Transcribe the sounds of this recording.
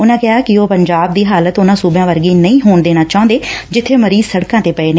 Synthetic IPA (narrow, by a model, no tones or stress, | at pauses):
ʊnãːkɪɦaːkɪoːpəɲd͡ʒaːb̚d̪iːɦaːlət̪ʊnãːsuːbjãːʋəɾɡiːnəĩːɦoːɳd̪eːɽ̃ãːt͡ʃaːʊ̃nd̪eːd͡ʒɪt̪ʰːeːməɾiːzsəɽkãːt̪eːpɛeːneː